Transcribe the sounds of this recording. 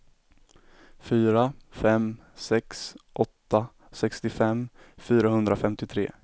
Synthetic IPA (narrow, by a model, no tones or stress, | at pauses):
fyːɾafɛm | sɛksʔɔt̪ːa | sɛkst̪ɪfɛmː | fyːɾaɦɵnd̪ɾafɛmt̪ɪt̪ʰɾḛː